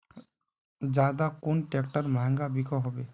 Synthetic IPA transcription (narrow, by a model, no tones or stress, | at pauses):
d͡ʒad̪akonʈekʈəɾmaɦɛ̃ŋɡabikʰɔɦɔbe